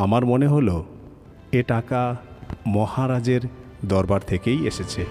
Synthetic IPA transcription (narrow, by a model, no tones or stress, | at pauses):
amaɾmoneɦolo | eʈakamɔhaɾad͡ʑeɾ | d̪ɔɾbaɾt̪ʰekejeʃet͡ɕʰe